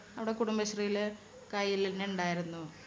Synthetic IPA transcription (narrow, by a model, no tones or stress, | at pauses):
ɐʋiɽekuɽumbɐɕrijil | kɐjːilinːeuɳɖaːjiɾunːu